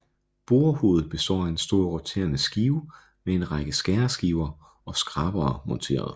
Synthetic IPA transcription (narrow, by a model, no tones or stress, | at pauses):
b̥oːɐho̝̰ːð̩ˠb̥e̝sd̥ɒ̰ːæensd̥o̝ɐʁot͡sʰe̝̰ːɐnəsɡ̥iːʊ | mee̝nʁɑɡ̥əsɡ̥æɐsɡ̥iʊɐ | ɒ̽sɡ̥ʁɑ̈b̥ɐːmɒ̽nt͡sʰe̝̰ːɐð̞ˠ